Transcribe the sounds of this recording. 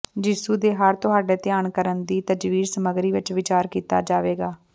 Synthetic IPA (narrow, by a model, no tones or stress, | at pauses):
d͡ʒiːsuːd̪eːɦəɾt̪ʊɦaːɖɛːt̪ɪjaːɳkəɾənd̪iːt̪əd͡ʒʋiːɾsəməɡɾiːʋɪt͡ʃʋɪt͡ʃaːɾkiːt̪a̰ːd͡ʒaːʋeːɡaː